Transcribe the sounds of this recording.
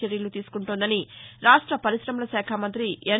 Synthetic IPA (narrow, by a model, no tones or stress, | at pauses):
eɾjɐlut̪iːsu̥kuɳʈund̪ɐniɾaːʂʈɾɐpɐɾisɾɐmɐlɐsɛːkʰamɐnt̪ɾie